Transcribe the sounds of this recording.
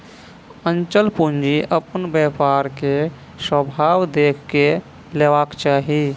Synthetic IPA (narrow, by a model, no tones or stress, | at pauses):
ənt͡ʃəlpund͡ʒiʔəpənbjəpaɾke | səbʱaːwd̪eːkʰke | leʋakt͡ʃaːɦi